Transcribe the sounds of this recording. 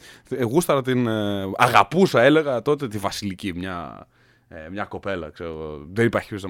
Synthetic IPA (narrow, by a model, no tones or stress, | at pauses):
ɣust̪ɐɾɐt̪inɐɣɐpusɐe̞le̞ɣɐt̪o̞t̪e̞t̪ivɐsilicimɲɐ̰ | emɲɐko̞pe̞lɐ̰kseɾoɣoðenipɐçus̬ɐ